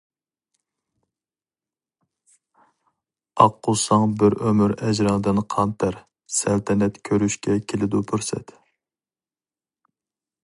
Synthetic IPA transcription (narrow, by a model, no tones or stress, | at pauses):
ɑqːʊsɑŋbɪɾømyɾɛd͡ʒɾɪŋd̪ɪnqʰɑnt̪ʰəɾ | sælt̪ʰɛnɛt̪kʲʰøɾyʃkʲʰɛkʲʰelɪd̪upʰyɾsɛ̰t̪